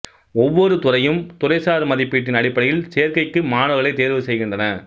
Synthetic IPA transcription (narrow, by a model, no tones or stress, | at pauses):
ɔʋːɔɾɯt̪ʊrɐjɯmt̪ʊrɐɪsaːɾɯmɐðɪpːiːʈ̬ːɪnɐɽɪpːɐɽɪjɪlsejɐɾkɐɪkːɯmaːnɐɣɐɭɐɪt̪eːɾʋɯsɛjɣɪndrɐnɐ